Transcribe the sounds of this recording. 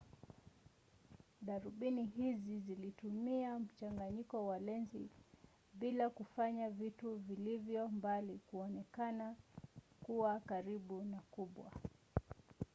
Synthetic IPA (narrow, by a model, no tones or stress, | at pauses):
ɗaɾuɓiniɦizizilitumiam̩t͡ʃaŋɡaɲikɔwalɛnzi | ɓilakufaɲavituvilivjɔmbalikuɔnɛkana | kuwakaɾiɓunakuɓwa̰